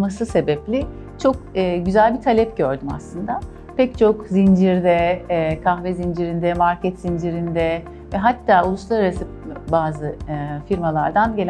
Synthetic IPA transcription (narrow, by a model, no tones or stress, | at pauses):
masɯse̞bɛplʲi | t͡ʃʰo̞k̚ɯːɟyzælʲbit̪ʰalʲɛpɟøɾd̪yma̰slˠɯnd̪a | pʰɛct͡ʃʰo̞kzind͡ʒiɾd̪ɛkʰaxvɛzind͡ʒiɾind̪ɛmaɾcʰɛt̪zind͡ʒiɾind̪ɛ | vɛɦat̪ːaːulˠuslˠaɾaɾasɯ | baːzɯfiɾmalˠaɾd̪anɟe̞lʲ